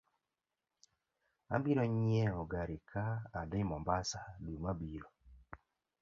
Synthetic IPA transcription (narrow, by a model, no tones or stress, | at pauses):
a̰mbiɾɔɲiɛɔɡaɾikʰaːdɪmɔmbasalumabiɾɔ